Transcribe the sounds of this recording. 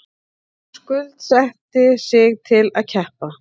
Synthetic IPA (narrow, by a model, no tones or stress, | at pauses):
skʏlt̪sɛht̪ɪsɪɣt̪ʰɪlaðcʰɛhpa